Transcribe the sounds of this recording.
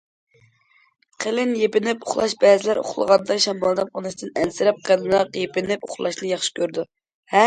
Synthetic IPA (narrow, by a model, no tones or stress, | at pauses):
qʰelɪnjepɪnɪpoχlˠɑ̰ʃbɛːzɪlæɾo̰χlˠə̰ʁɑnd̪ɑʃɑmɑlˠd̪ɨmqʰonɨʃt̪ɨnɛnsɪɾɛp̚qʰelɪnɑqjepɪnɪpo̰χlˠɑʃnɨjɑχʃɪ̥kʲʰøɾd̪u | hɛ